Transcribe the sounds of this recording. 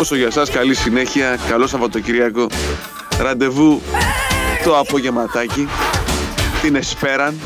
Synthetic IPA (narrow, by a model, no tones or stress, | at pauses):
o̞so̞ʝɐsɐskɐlisine̞çiɐkɐlo̞sɐvɐt̪ociɾiɐko̞ | ɾɐnd̪e̞vu | t̪o̞ɐpo̞ʝe̞mɐt̪ɐci | t̪ine̞spe̞ɾɐn